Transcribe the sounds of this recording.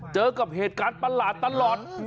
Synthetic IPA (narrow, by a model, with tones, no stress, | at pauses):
t͡ɕəː˨˦kə˨˩p̚ɦe˨˩t̪̚kaː˨˦˥k̚t̪a˧˥nlaː˧˩t̪a˧˥nlaː˨˩t̚